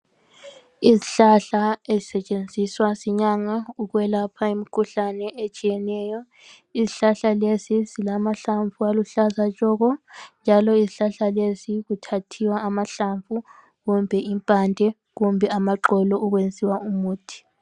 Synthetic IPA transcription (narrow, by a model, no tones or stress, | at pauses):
iziɬaɬaezisɛt͡ʃʼend͡zʱiswasiɲaŋauɣwɛlapʰaimikʰuɬanɛʔet͡ʃʼijɛnɛjɔ | isiɬaɬalesisilamaɬaɱfualuɬazat͡ʃʼɔɣɔnd͡ʒʱalɔisiɬaɬalesiɣutʰatʰiwaːmaɬaɱfu | ɣumbʱɛimpʼandʱɛ | ɣumbʱɛamaǃɔlɔuɣwend͡zʱiwaumuːtʰi̥